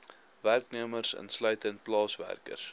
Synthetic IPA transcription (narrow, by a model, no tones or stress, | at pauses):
værkniəmərsə̰nslœɥtənt̚plɑːsvæ̰rkə̰rs